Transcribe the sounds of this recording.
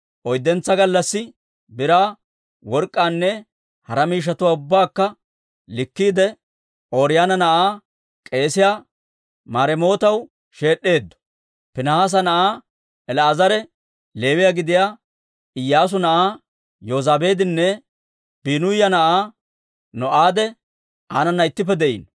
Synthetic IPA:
ʔɔjd̪ːɛnt͡sːɐɡɐlːɐsːɪ | bɪɾaː | wɔɾkʼːaːnːɛ | hɐɾɐmiːʃ̬ɐt̪ʊwaːʊbːaːkːɐ | lɪkːiːd̪ɛ | ʔoːɾɪjaːnɐnɐʔaː | kʼe̞ːsɪjaː | maːɾɛmo̞ːt̪ɐw | ʃe̞ːɗːe̞ːd̪ːɔ̥ | pɪnɐhaːs̬ɐnɐʔaː | ɛlɐːzɐɾɛ | le̞ːwɪjaɡɪd̪ɪjaː | ɪjːaːs̬ʊnɐʔaː | joːzaːbe̞ːd̪ɪnːɛ | b̥iːnʊjɐnɐʔaː | nɔʔaːd̪ɛ | ʔaːnɐnːɐɪt̪ːɪpːɛd̪ɛʔḭːn

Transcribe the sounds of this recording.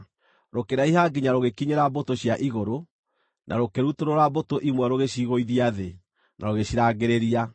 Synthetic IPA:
ɾokeɾaiɦaːɡiɲaɾoɣekiɲeɾabotoɕjaʔiɣoɾo | nʔa̰ɾokeɾutoɾoɾabotoʔimwɛɾoɣeɕiɣoiðiaðe | naɾoɣeɕiɾaːɡeɾeɾia

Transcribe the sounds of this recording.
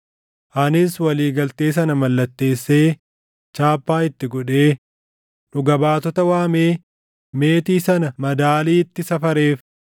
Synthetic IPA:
ʔɐnɪswɐliːɡɐlt̪eːsɐnɐmɐlːɐt̪ːe̞ːsːe̞ː | t͡ʃaːpːaːɪt̪ːɪɡɔᶑe̞ː | nʊɡɐbaːt̪ɔt̪ɐwaːmeː | me̞ːt̪iːsɐnɐmɐd̪aːliːt̪ːɪsɐfɐɾe̞ːf

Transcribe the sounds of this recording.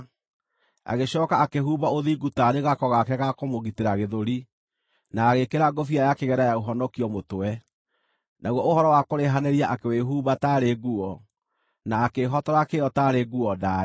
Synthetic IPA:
a̰ɣeɕɔːkaakeɦuːbaoðiɡutaɾeɣakɔɣakɛɣakomoɣiteɾaɣeðoɾi | naːɣekeɾaɡofiajakeɣɛɾajaoɦɔnɔkiɔmotoɛ | nʔaɣwɔohɔɾɔwakoɾeɦaneɾiaʔakeweɦuːbataːɾeɡuɔ | naːkeɦɔtɔɾakeɔtaɾeɡuɔdaː

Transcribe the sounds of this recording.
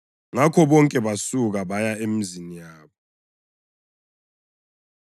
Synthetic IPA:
ŋakʰɔɓɔŋkʼɛɓasuk̬aɓajaem̩zinijaːɓɔ

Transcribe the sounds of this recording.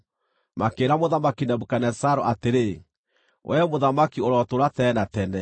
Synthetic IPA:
makeːɾamoðamakinabukanɛsaɾoʔateɾe | wʔɛmoðamakioɾɔtoɾatɛnatɛnɛ

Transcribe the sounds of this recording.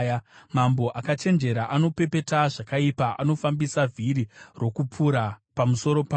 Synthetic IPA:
mambo̞ʔakat͡ʃe̞nd͡ʒe̞ɾaʔano̞pe̞pe̞taʐakaipaʔano̞fambisavʱiɾiro̞kupʰuɾapamuso̞ɾo̞pa

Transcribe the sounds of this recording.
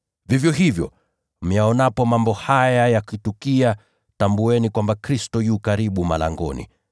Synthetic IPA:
vivjɔɦivjɔ̰ | m̩jaɔnapɔmambɔhajajakitukia | tambuɛnikwambakɾistɔjuːkaɾiɓuma̰la̰ŋɡɔ̰nḭ

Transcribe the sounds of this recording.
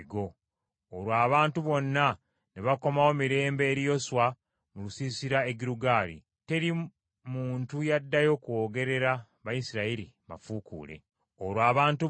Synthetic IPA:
ɡo̞ː | lwaːβaːntuβo̞nːa | neβako̞mawo̞miɾe̞ːmbe̞ːɾijo̞swa | mulusisiɾae̞ɡiɾuɡaːɾḭ | te̞ɾi | muːntujadːajo̞kuwo̞ːɡe̞ɾe̞ɾa | βajisiɾaiɾima̰fuːkṵːle̞̰ | oɾwaːβaːntu

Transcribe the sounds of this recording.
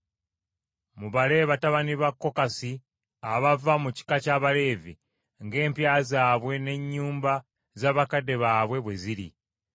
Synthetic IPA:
muβale̞ːβataβaniβakːo̞kasi | aβavamuci̥kacaːβale̞ːvi | ŋɡe̞ːmpjaːzaːβwe̞ne̞ɲːuːmba | zaːβakade̞βaːβwe̞βwe̞ziɾḭ

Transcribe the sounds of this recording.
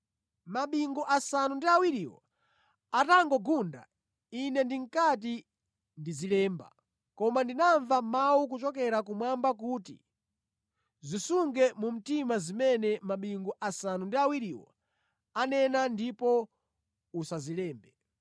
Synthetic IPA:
maɓiŋɡɔʔasanundiawiɾiwɔ̰ | ataŋɡɔɡunda̰ | inɛndiŋkat̬i | ndizilɛːmba̰ | kɔmandinaɱvamawuk̬ut͡ʃɔkɛɾak̬umwambak̬uːtḭ | zisuŋɡɛmum̩timazimɛnɛmaɓiŋɡɔʔasanundiawiɾiwɔ̰ | anɛnandipɔ | usazilɛːmbɛ

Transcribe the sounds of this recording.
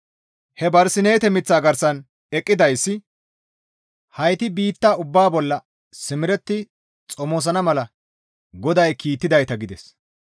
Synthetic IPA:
hɛbɐɾsɪne̞ːt̪ɛmɪt͡sːaːɡɐɾsɐn | ɛkʼːɪd̪ɐjsːɪ | hɐjt̪ɪbiːt̪ːaːʊbːaːbɔlːɐ | sɪmɪɾɛt̪ːɪ | t͡sʼɔmoːs̬ɐnɐmɐlɐ | ɡɔd̪ɐjkiːt̪ːɪd̪ɐjt̪ɐɡɪd̪ɛs

